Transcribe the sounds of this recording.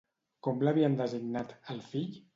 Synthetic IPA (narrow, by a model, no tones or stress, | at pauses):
kɔmləβiənd̪əziɡnat̪əlˠfiʎ